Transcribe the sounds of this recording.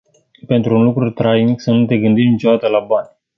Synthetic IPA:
pe̞nt̪ɾuːnlukɾut̪ɾajniksənut̪e̞ɡɨnd̪imnit͡ʃe̞d̪at̪əlabanʲ

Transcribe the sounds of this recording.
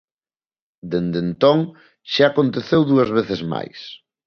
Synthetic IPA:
d̪end̪ent̪oŋ | ʃaːkõnt̪eθewðuɐzβ̞eθezma̰js

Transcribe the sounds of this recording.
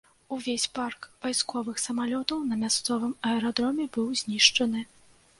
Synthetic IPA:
uvʲesʲparkv̥ajskɔvɨxsɐmalʲɔt̪ɐwnɐmʲast̪sɔvɨmɐɛɾɔd̪ɾɔmʲɛbɨwzʲnʲiʂt͡ʂɐnɨ

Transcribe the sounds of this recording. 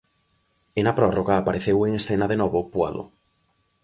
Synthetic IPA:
enapɾɔroɣaːpaɾeθeweŋesθenaðenɔβopwa̰ðo̰

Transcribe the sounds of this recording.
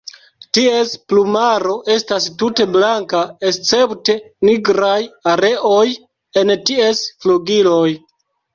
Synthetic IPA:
tie̞splumaɾo̞ʔe̞stastute̞blaŋkaest͡se̞pte̞niɡɾajaɾe̞ʔo̞j | e̞ntiesfluɡilo̞j

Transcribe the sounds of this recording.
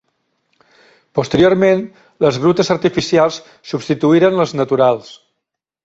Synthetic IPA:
pust̪əɾioɾmen | ləzɣɾut̪əzəɾt̪ifisialˠs | subst̪it̪uiɾənləznət̪uɾalˠs

